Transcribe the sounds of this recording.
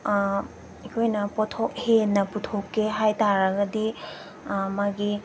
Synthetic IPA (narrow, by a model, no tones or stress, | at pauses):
ekʰojnɐpɔtʰok̚henɐputʰokːeɦajtaɾɐɡɐdi | maɡi